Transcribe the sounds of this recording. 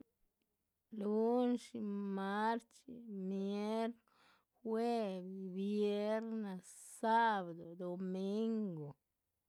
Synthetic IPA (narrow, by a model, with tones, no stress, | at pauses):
lu˦nʃi˧ma˦ɾt͡ʃḭ˨mje˦ɾ | xwe˦bibje˦ɾna˨sa˦βad̪o˨d̪o˨mi˦ŋɡo˨